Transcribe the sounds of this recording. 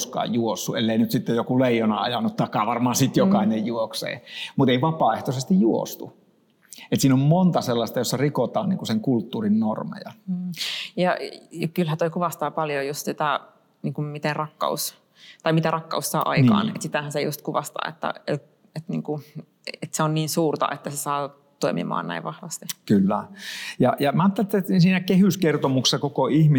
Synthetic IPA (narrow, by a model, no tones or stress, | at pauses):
skɑ̰ːjjuosːuelːeˑinyt̪sit̪ːejokuleˑijonɑɑ̰jɑnːut̪t̪ːɑˑikːˑɑːʋɑrmɑːnsit̪jokɑˑinejjuoksḛːmut̪eiʋɑpɑːeht̪osest̪ijjuo̰st̪u | et̪siːnommont̪ɑselːɑst̪ɑjosːɑrikot̪ɑːnniːŋkuseŋkult̪ːuːrinnormḛjɑ̰nː | jɑɑkylhæt̪oikuʋɑst̪ɑːpɑljojust̪sit̪æ | niːŋkummit̪enrɑkːɑ̰us | t̪ɑimit̪ærɑkːɑussɑːʔɑ̰inkɑ̰ːnḛt̪sit̪æhænsejṵst̪kuʋɑst̪ɑ̰ːḛt̪ːæ̰et̪ | et̪nḭːŋku | et̪seonniːnsuːrt̪ɑ̰ʔet̪ːæsesɑː | t̪oimḭmɑ̰ːnæ̰iʋʋɑhʋɑst̪ikylːæjɑjɑmɑːt̪ːelet̪ːet̪ːinsiːnækehyskert̪omuksesːɑkokoihmi